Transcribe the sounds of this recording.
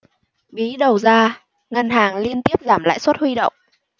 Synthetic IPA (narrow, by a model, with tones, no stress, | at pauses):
ɓi˨˦ɗə˨˩wzaː˧ | ŋə˧nhaː˨˩ŋli˧ənt̪i˦˥əp̚zaː˧˩mla̰ː˧˨jswə˦˥t̚hwi˧ɗə̰˧˨wŋ͡mʔ